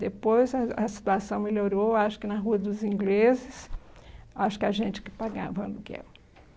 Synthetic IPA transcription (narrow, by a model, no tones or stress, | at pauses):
d̪epojzɐɐsi̥t̪uasɐ̃w̃meloɾoaʃʊ̥kɪnɐɦuɐd̪ʊzĩŋɡlezɪs | aʃʊ̥kɪaʒẽnt͡ʃɪ̥kɪ̥paɡa̰vɐnʊkɪɛ̰l